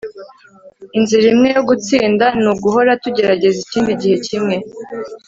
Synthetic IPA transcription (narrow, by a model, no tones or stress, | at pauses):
inziɾimŋe̞jo̞ɡut͡siːndanuɡuɦo̞ɾatuɟe̞ɾaɟe̞ziciːndiɟihe̞cimŋe̞